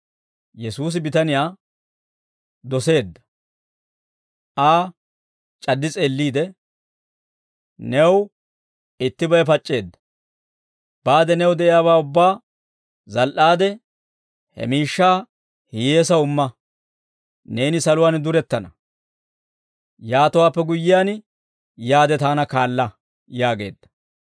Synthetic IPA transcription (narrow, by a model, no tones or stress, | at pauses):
jɛsuːs̬ɪbɪt̪ɐnɪjaː | d̪ɔse̞ːd̪ːɐ̥ | ʔaː | t͡ʃʼɐd̪ːɪt͡sʼe̞ːlːiːd̪ɛ | nɛw | ɪt̪ːɪbɐjp̬ɐt͡ʃʼːe̞ːd̪ːɐ̥ | b̥aːd̪ɛnɛwd̪ɛʔɪjaːbaːʊbːaː | zɐlʔaːd̪ɛ | hɛ̰miːʃːaː | hɪjeːsɐʊmːɐ | ne̞ːnɪsɐlʊwaːnd̪ʊɾɛt̪ːɐnɐ | jaːt̪ʊwaːpːɛɡʊjːɪjaːn | jaːd̪ɛt̪aːnɐkaːlːɐ | jaːɡe̞̰ːd̪ːɐ̥